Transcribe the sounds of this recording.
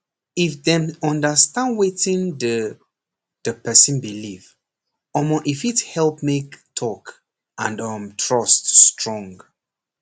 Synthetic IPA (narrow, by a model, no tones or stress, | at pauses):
ifðɛ̃mɔ̃ndəstãnwetĩnd | dəpɛsĩnbiliv | ɔmoʔifithɛlˠpmektʰɔk | ʔãndʌmtʰɹɔstːtɹɔ̃ŋɡ